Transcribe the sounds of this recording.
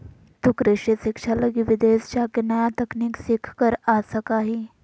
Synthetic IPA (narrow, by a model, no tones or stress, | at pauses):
t̪ukɾeʂesekʂaləɡiʋid̪est͡ɕakenajat̪əkniːksikʰkəɾasakaɦi